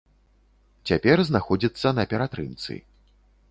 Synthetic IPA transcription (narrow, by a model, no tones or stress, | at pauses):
t͡sʲapʲɛrznaxɔd͡zʲit̪sːɐnɐpʲɛɾat̪ɾɨmt̪sɨ̰